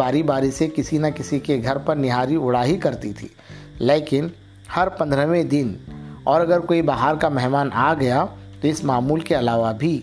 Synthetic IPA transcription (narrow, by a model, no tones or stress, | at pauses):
aːɾibaːɾisekɪsinakɪsikeɡʱɐɾpɐɾnɪɦaːɾiʊɽ̤aːɦikɐɾt̪it̪ʰḭːleːkɪn | hɐɾpɐ̃nd̪ɾəʋẽd̪ɪnɔːɾɐɡəɾkoːibaɦaɾkamɛɦmaːnʔaːɡɐjat̪oɪsmaːmuːlkeɐlaːʋabʱi